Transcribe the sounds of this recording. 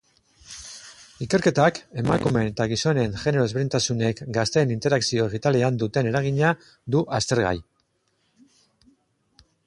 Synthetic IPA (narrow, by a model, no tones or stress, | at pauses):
ike̞ɾke̞t̪ake̞makume̞net̪aɣ̞iso̞ne̞nʝe̞ne̞ɾo̞zβint̪asune̞kɡast̪e̞ːnint̪e̞ɾaksio̞eɣit̪ale̞and̪ut̪e̞ne̞ɾaɣ̞iɲa | d̪uʔast̪e̞ɾɣa̰j